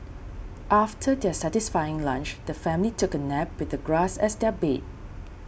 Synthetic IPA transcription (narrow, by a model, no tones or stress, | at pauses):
ʔaftʰədɛsɛtɪsfajɪ̃ŋlãnt͡ʃd̥əfɛ̃mlitʰʊkənɛp̚wɪθəɡɹasɛsdɛbet̚